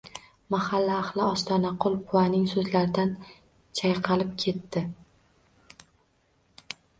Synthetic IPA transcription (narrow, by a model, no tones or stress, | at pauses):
mahalːaːχlˠɪɒst̪ʰɒnaqʰʊlˠqʰʊwanɪŋsɵzlaɾɪd̪an | t͡ʃʰajqʰɑlɪp̚kʲʰe̞t̪ːɪ